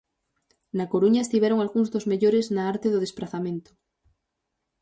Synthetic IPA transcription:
nakoɾuɲaest̪iβɛɾoŋalɣuŋzðozmeʎoɾeznaaɾt̪eðoð̞espɾaθamẽnt̪o̥

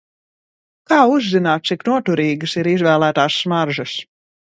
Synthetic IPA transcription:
kaːuzːinaːt̪̚t̪siknuɔt̪uɾiːɡɨsiɾizvæːlˠæːt̪aːsːmaɾʒɐs

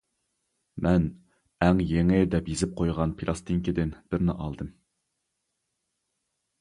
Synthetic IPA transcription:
mɛn | ɛŋjeŋɪd̪ɛpjezɪp̚qʰojʁɑnpʰilˠɑst̪ɨŋkʲid̪ɪnb̥ɪɾnɪʔɑ̰lˠd̪ɨm

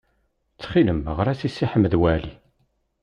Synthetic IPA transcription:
t͡sːχiləməʁɾæsisːiħəmðwæli

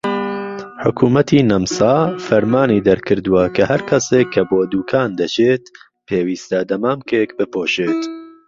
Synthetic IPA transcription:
ħʊkʰuːmɐt̪ʰiːnɐmsɑːfɐɾmaːniːd̪ɐɾkʰɨɾd̪uwɐkʰɐhɐɾkʰɐseːkʰːɐboːd̪uːkʰaːnd̪ɐt͡ʃʰeːt̪ | pʰeːwiːst̪ɐd̪ɐmaːmkeːkbɨpoːʃeːt̪

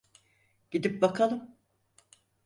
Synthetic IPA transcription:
ɟ̥id̪ip̚bakʰalˠɯm

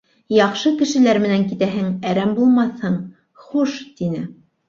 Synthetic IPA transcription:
jɑχʃɤkɘ̆ʃɘ̆læɾmɘ̆næŋkit̪æɦɘŋæɾæmbulˠmɑθhɤɴ | χuʃt̪inɘ

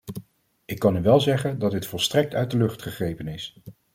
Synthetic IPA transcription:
ɪkːɑnyʋɛlˠzɛχəndɑd̚dɪtfɔlˠstrɛk̚tœɥtdəlɵχtχəχrejpənɪs

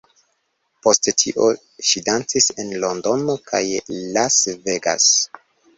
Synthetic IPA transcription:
po̞stetʰiʔo̞ | ʃidant͡sise̞nlondo̞nokʰa̰jlasve̞ɡa̰s

